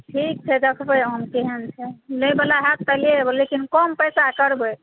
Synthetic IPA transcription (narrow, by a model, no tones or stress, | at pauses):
ʈʰik̚t͡ʃʰɛd̪ekʰbəɦəmkeɦent͡ʃʰɛnəjbelaɦat̪ːəlieebəlekinkɔmpəjsakəɾbə